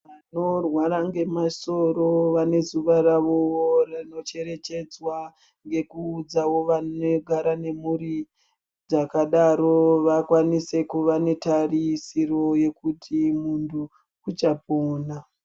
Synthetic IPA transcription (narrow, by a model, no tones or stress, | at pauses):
ʋano̞rwaɾaŋɡe̞maso̞ro̞ʋane̞zuʋaɾaʋoworano̞t͡ʃe̞ɾe̞t͡ʃe̞d͡zwa | ŋɡe̞kuːd͡zawo̞ʋanoɡʱaɾane̞muɾi | d͡zakaɗaɾo̞ʋakwanise̞kuʋane̞tarisiro̞je̞kutʰimundʰu | kut͡ʃapoːna